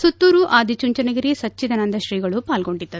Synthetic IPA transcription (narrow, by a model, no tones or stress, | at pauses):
sut̪ːuːɾuʔaːd̪ʱit͡ʃuɲt͡ʃɐnɐɡiɾisɐt͡ʃːid̪ɐnɐnd̪ʱɐʃɾiːɡɐɭupaːlɡo̞ɳɖit̪ːɐ